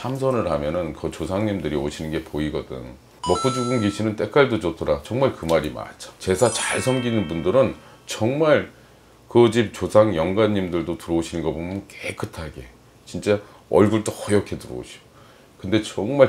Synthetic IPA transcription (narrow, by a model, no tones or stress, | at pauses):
sʰamsʰʌnɯɭɦamjʌnɯnkɯt͡ɕosʰaŋɲimdɯɾioɕʰinɯnɡe̞poiɡʌdɯ̰ŋ | mʌp͈ud͡ʑuɡɯŋɡiɕʰinɯnt͈e̞k͈aɭdod͡ʑotʰʌɾat͡ɕʌŋmaɭkɯmaɾima̰t͡ɕʰḁt͡ɕe̞sʰat͡ɕaɭsʰʌmɡinɯnbundɯɾɯn | t͡ɕʌŋmaɭ | kɯd͡ʑip̚t͡ɕosʰaŋjʌŋɡaɲːimdɯɭdotɯɾʌuɕʰinɯnɡʌbomjʌnkek͈ʰɯtʰaɡe̞ | t͡ɕint͡ɕ͈a | ʌ̰ɭɡuɭt͈okʌjʌkʰe̞tɯɾʌ̰ṵɕʰi̥o | kɯnde̞t͡ɕʌŋmaɭ